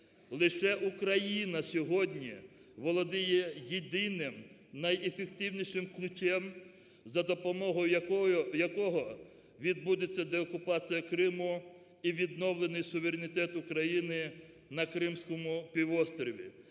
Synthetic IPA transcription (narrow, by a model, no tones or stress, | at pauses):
lˠɪʃɛʔukɾɐjinɐsʲɔɦɔdʲnʲi | ʋɔlˠɔd̪ɪjɛjed̪ɪnɪm | nɐjefek̚t̪ɪwnʲiʃɪmklʲʊt͡ʃʲɛm | zɐd̪ɔpɔmɔɦɔjjɐkɔɦɔ | ʋʲid̪bud̪et͡sʲːɐd̪ɛɔkʊpɑt͡sʲijɐkɾɪmʊ | iʋʲid̪nɔwlˠenɪjsʊʋeɾʲenʲɪt̪ɛt̪ʊkɾɐjinɪ | nɐkɾɪmsʲkɔmʊpʲiʋɔst̪ɾʲɔʋʲḭ